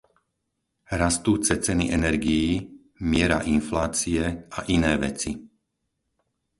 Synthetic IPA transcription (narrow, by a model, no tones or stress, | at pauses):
ɾast̪uːt͡sɛt͡sɛniʔɛnɛɾɡijː | mɪɛɾa̰ʔinflaːt͡siɛaʔinɛːʋɛ̰t͡si